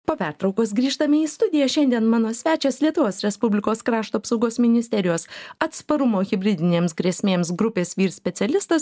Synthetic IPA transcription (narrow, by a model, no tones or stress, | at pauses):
poːpʲæɾt̪ɾɒʊkoːs̬ɡɾʲiːʃt̪ɐmʲɪiːst̪ʊd̪ʲɪjɛʃʲɛnʲd̪ʲiɛnmɑːnoːsʲʋʲæːt͡ʃʲɛslʲiɛt̪ʊʋoːsɾʲɛspʊbʲlʲɪkoːskɾɑːʃt̪uɐpsɒʊɡoːsmʲɪnʲɪsʲt̪ʲɛɾʲɪjoːsɐt̪spɐɾʊmoːɣʲɪbʲɾʲɪd̪ʲɪnʲeːmsɡɾʲeɛsʲmʲeːmsɡɾʊpʲeːsʋʲiːɾsʲpʲɛt̪sʲɛlʲɪst̪ɐs